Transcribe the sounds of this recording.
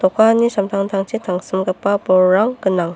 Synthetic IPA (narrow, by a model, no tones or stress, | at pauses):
t̪ɔkʰanisamt̪ʰaŋtʰaŋt͡ʃʰit̪ʰaŋsɯmɡapːabɔːaŋɡɯnaŋ